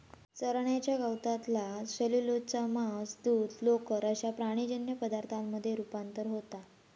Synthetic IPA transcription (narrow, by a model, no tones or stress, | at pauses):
t͡səɾɳjat͡ɕjaɡəwt̪at̪laɕəlilot͡samasd̪uːd̪lokəɾəɕjapɾaɽ̃id͡ʑənjəpəd̪aɾt̪ʰamːəd̪ʱːjeɾupant̪əɾɦot̪a